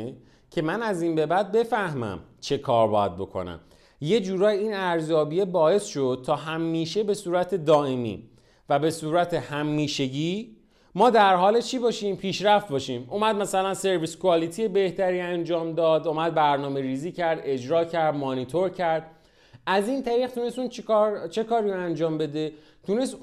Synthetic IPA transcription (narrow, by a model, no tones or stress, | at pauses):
cʰe̞mænæziːnbe̞bæd̪̚be̞fæhmæ̰mt͡ʃʰe̞kʰɒːɾbɒ̰ːjæd̪̚bo̞̰kʰo̞̰næ̰m | je̞d͡ʒuːɾɒːjiːnæɾzjɒːbijebɒːje̞sʃo̞d̪̥̚t̪ʰɒːɦæmːiːʃe̞besuːɾæt̪ʰe̞d̪ɒːʔe̞mḭː | væbe̞suːɾæt̪ʰehæmːiːʃe̞ɟiː | mɒːd̪æɾɦɒːlet͡ʃʰiːbɒːʃiːmpʰiːʃɾæft̪̚bɒːʃiːmʔumæd̪̚mæsælænse̞ɾviskʰuɒːlit̪ʰijebe̞ht̪ʰæɾiːænd͡ʒɒːmd̪ɒːd̪umæd̪̚bæɾnɒːme̞ɾiːziːcʰæɾd̪e̞d͡ʒɾɒːcʰæɾd̪monit̪ʰoɾcʰæɾd̪̚ | æziːnt̪ʰæɾiːɣt̪ʰune̞st̪uːnt͡ʃʰiɾt͡ʃʰe̞kʰɒːɾiɾoænd͡ʒɒːmbe̞d̪e̞ | t̪ʰune̞st̪